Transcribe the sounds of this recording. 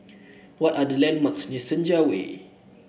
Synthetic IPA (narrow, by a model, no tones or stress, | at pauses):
wɔtadəlɛ̃nmaksɲəsə̃nd͡ʒawḛ